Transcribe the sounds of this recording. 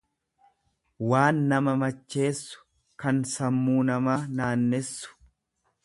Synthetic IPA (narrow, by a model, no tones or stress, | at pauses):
waːnːɐmɐmɐt͡ʃːe̞ːsːʊ̥ | kɐnsɐmːuːnɐmaːnaːnːɛsːʊ̥